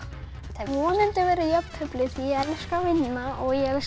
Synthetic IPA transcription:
θavɔnɛnt̪ɪvɛːɾɪjœpnʰœplɪθiɛlskavɪnːaʔɔɣjɛɣ

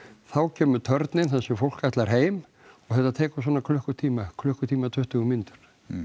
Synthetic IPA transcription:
θawcʰɛːmʏɾt̪ʰœɾt̪nɪnθɛsʏfowl̥kaht̪laɾ̥ɦeːjm | ɔɣθɛt̪ːat̪ʰɛːkʏsvɔːnakʰlʏhkʏt̪ʰiːmakʰlʏhkʏt̪ʰiːmat̪ʰʏht̪ʏɣʏmɪnt̪ʏ̥ɾ̥

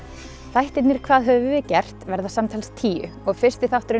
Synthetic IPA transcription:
θajht̪ɪt̪nɪɾ̥kʰv̥aːðɦœvɪvɪcɛr̥t̪vɛɾðasamt̪ʰajlst̪ʰiːʏ̰ | ɔɣfɪr̥st̪ɪθawht̪ʏɾʏ

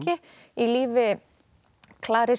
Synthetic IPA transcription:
cɪ | iliːvɪ | kʰlaːɾɪ

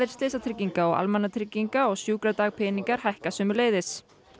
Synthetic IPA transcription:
ɪɾ̥st̪lɪːsat̪ʰɾɪcːiŋkaɔɣa̰lmanat̪ʰɾɪcːiŋkaɔɣsjuːkɾat̪aːɣpʰɪːniŋkaɾ̥hajhkasʏːmʏleːjðɪs

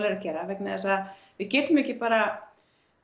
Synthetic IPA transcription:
leːɾacɛːɾavɛknɪðɛsað | vɪðcɛːt̪ʏmɛhcɪpaːɾa

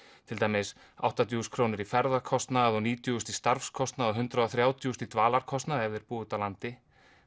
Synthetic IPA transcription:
t̪ʰɪlt̪aːjmɪs | a̰wht̪at̪ʰjuːskʰɾoːnɪɾifɛɾðaɾkʰɔst̪naðɔniːt̪ʰjʏst̪ist̪aɾfskʰɔst̪naðɔɦʏnt̪ɾaðɔθɾjaːwt̪ʰjust̪it̪vaːlaɾ̥kʰɔst̪naðɛvðɪɾpuːðʏt̪awlant̪ɪ

